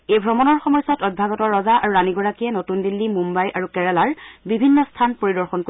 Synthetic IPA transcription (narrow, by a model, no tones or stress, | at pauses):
ejbʱɹɔmɔnɔɹxɔmɔjsɔtɔj̚bʱaɡɔtɔɹːɔzaaɹuɹaniɡɔɹakijɛnotundilːimumbajʔaɹukɛɹɛlaɹbibʱinːɔstʰanpoɹidɔɹxɔnko